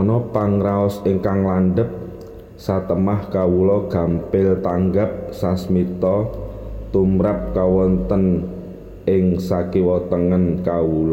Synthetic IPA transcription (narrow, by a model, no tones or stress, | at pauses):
ɔnɔpaŋɾaɔsɪŋkaŋlanɖəp̚ | sat̪əmahkawulɔɡ̥a̤mpɪlt̪aŋɡap̚sasmit̪ɔt̪umɾap̚kawɔnt̪ən | ɪŋsakiwɔt̪əŋənkawulɔ